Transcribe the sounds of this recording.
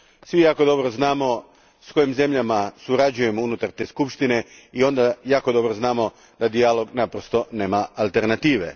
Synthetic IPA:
sʋijaːko̞d̪o̞bɾoznaːmo̞ | sko̞jimze̞mʎamasuɾad͡ʑuje̞mounut̪aɾt̪e̞ːskupʃt̪ine̞io̞nd̪ajaːko̞d̪o̞bɾoznaːmo̞ | d̪ad̪ialo̞ɡnapɾost̪o̞ne̞ːmaːlˠt̪e̞ɾnat̪iːʋe̞̰

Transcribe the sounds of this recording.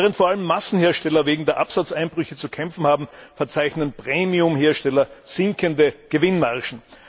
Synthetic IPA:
ʁəntfoːɐʔaləmːasn̩heːɐʃtɛlɐveːɡŋ̩deːɐʔapsat͡sʔaɪnb̥ʁʏçət͡sukʰɛmfn̩haːbm̩fɛɐt͡saɪçnənpʁ̥eːmiʊmheːɐʃtɛlɐz̥ɪŋkʰəndəɡ̥əvɪnmaʁʃn̩

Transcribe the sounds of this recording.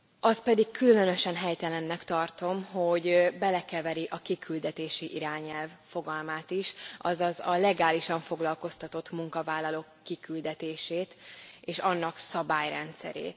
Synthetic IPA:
ɒspɛd̪ikkʰːyllø̞nø̞ʃɛnɦɛjt̪ɛlɛnːɛkt̪ɒrt̪o̞mɦo̞ɟbɛlɛkɛvɛɾiʔɒkikʰyld̪ɛt̪eːʃiʔiɾaːɲɛlvfo̞ɡɒlmaːt̪iʃʔɒzɒzɒlɛɡaːliʃɒɱfo̞ɡlɒlko̞st̪ɒt̪o̞t̪muŋkɒvaːlːɒlokːikyld̪ɛt̪eːʃeːt̪eːʃɒnːɒksɒbaːjrɛ̰nt̪sɛ̰ɾḛːt̪

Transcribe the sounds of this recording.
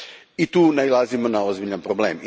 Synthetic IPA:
it̪uːnailˠazimonaozbiʎampɾoblḛm

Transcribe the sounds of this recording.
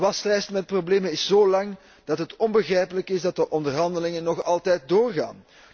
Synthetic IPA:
ʋɑstrɛjstmɛt̚probleːmənɪszoːlɑŋ | d̥ɑtɦətɔnbəɣrɛjpələkɪzdɑt̚dəʔɔndərɦɑndəlɪŋənːɔxɑlˠtɛjt̚doːrɣa̰ːn

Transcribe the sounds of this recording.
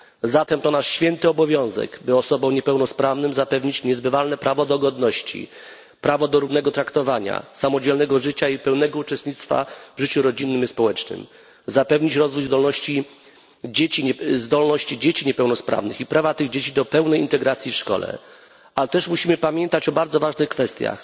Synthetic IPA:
zat̪ɛmt̪ɔnaʂɕfʲjɛnt̪ɘɔbɔvʲjɔ̃w̃zɛ̰ɡbɘɔsɔbɔ̃wɲɛpɛwnɔspɾavnɘmzapɛvɲit͡ɕɲɛzbɘvalnɛpɾavɔd̪ɔɡɔd̪nɔɕt͡ɕḭ | pɾavɔd̪ɔɾuvnɛɡɔt̪ɾakt̪ɔvaɲa̰samɔd͡ʑɛlnɛɡɔʐɘt͡ɕaipɛwnɛɡɔut͡ʂɛst̪ɲit̪t̪fa̰vʐɘt͡ɕuɾɔd͡ʑinːɘmispɔwɛt͡ʂnɘ̰m | zapɛvɲit͡ɕɾɔzvujzd̪ɔlnɔɕt͡ɕi | d͡ʑet͡ɕizd̪ɔlnɔɕt͡ɕid͡ʑet͡ɕiɲɛpɛwnɔspɾa̰vnɘ̰xipɾavat̪ɘɣd͡ʑet͡ɕid̪ɔpɛwnɛjint̪ɛɡɾat̪sʲjifʂkɔ̰lɛ̰ | alɛt̪ɛʂmuɕimɘpamʲjɛnt̪at͡ɕɔbaɾd̪zɔvaʐnɘxkfɛst̪ʲja̰x

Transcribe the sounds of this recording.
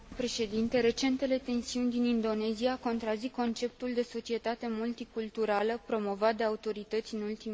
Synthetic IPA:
pɾe̞ʃe̞d̪int̪e̞ɾe̞t͡ʃe̞nt̪e̞le̞t̪e̞nsiunʲd̪inind̪o̞ne̞ziako̞nt̪ɾaziko̞nt͡ʃe̞p̚t̪uld̪e̞so̞t͡ʃie̞t̪at̪e̞mult̪ikult̪uɾaləpɾo̞mo̞vat̪̚d̪e̞aut̪o̞ɾit̪ət̪sʲɨnult̪i

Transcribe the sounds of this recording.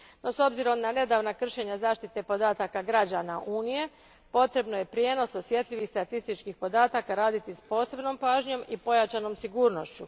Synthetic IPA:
no̞so̞bziɾo̞mnane̞d̪aːʋnakr̩ʃe̞ɲazaːʃt̪it̪e̞po̞d̪aːt̪akaɡɾad͡ʑanaʔuːnije̞ | po̞t̪ɾe̞bnoje̞pɾjeːno̞so̞sje̞t̪ʎʲiʋixst̪at̪ist̪it͡ʃkixpo̞d̪aːt̪akaɾaːd̪it̪ispo̞ːse̞bno̞mpaːʒɲo̞mipo̞jat͡ɕano̞msiɡuːɾno̞ʃt͡ɕu

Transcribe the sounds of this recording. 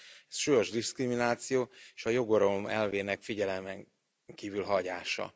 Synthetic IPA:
ɛsʃuːjo̞ʒd̪iskriminaːt̪sijoːeʃɒjo̞ɡo̞ɾo̞mɛlveːnɛkfiɟɛlɛmɛŋ | kiːvylɦɒɟaːʃɒ̰

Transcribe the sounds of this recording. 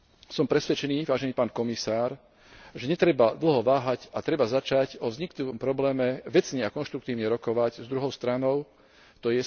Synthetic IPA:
sɔmpɾɛsʋɛt͡ʃɛniːʋaːʒɛniːpaːnkɔmisaːɾ | ʒɛɲɛt̪ɾɛbad̪l̩ɦɔʋaːɦacat̪ɾɛbazat͡ʃaɟɔvzɲikluʋɔmpɾɔblɛːmɛʋɛt͡sɲɛakɔnʃt̪ɾuk̚t̪iːʊɲɛɾɔkɔʋaɟzd̪ɾuɦɔʊst̪ɾanɔʊ | t̪ɔjɛ

